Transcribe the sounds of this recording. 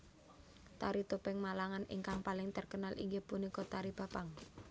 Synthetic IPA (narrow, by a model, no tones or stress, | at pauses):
t̪aɾit̪upɪŋmalaŋanḭŋkaŋpalɪŋt̪ərkənalʔḭŋɡehpunikɔt̪aɾib̥a̤paŋ